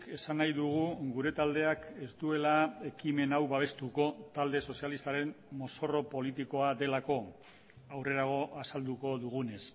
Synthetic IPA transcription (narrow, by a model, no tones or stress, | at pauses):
ke̞sanajðuɣ̞uɡuɾe̞t̪ald̪e̞ake̞zt̪ue̞lae̞kime̞nawβaβ̞e̞st̪uko̞t̪ald̪e̞so̞sjalist̪aɾe̞mmo̞so̞ro̞po̞lit̪iko̞aðe̞lako̞ | awre̞ɾaɣ̞o̞ʔasald̪uko̞ðuɣ̞une̞s